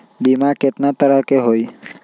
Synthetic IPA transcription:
bimaket̪nat̪əɾəkeɦoj

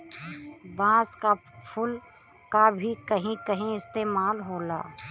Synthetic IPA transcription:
bãːskapʰʊl | kabʱikəɦĩkəɦĩɪst̪eːmaːlɦoːla̰ː

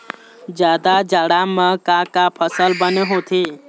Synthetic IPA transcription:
d͡ʒjad̪ad͡ʒaɽamə̃kãkapʰəsəlbəneɦot̪ʰi

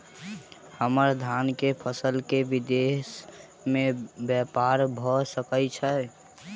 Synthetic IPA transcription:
həməɾd̪ʱankepʰəsəlkeʋid̪es | mebjɛpaɾbʱɔsəkət͡ʃʰə

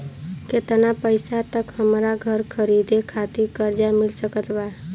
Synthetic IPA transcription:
ket̪napəjsat̪əkhəmɾaɡʱəɾkʰəɾid̪ekʰat̪ikəɾd͡ʒamilsəkət̪ba

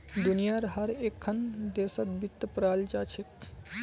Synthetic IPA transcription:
d̪unijaɾɦəɾekʰːənd̪esət̪bit̪ːəpɾald͡ʒat͡ʃʰit̪

